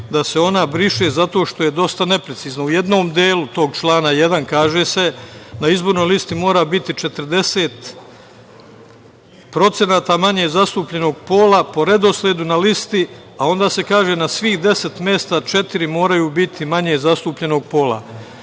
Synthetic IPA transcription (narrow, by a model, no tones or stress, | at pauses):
d̪aseo̞nabɾiʃezat̪o̞ːʃt̪o̞je̞d̪o̞st̪ane̞pɾe̞t̪siːznaujed̪no̞ːmd̪eːlut̪o̞ːɡt͡ʃlˠaːnaje̞d̪ankaːʒeːse̞naizbo̞ɾno̞jlist̪imo̞ːɾaːbit̪it͡ʃe̞t̪əɾd̪e̞seːt̪ | pɾo̞t̪se̞naːt̪aːmaɲeːzast̪uːpʎe̞no̞ːɡpo̞ːlapo̞ɾe̞d̪o̞slʲed̪unalist̪i | ao̞nd̪aːse̞kaːʒe̞ːnasʋiːxd̪e̞se̞t̪mʲje̞ːst̪at͡ʃe̞t̪iɾimo̞ːɾajuːbit̪ʰimaɲeːzast̪uːpʎe̞no̞ɡ̚po̞la̰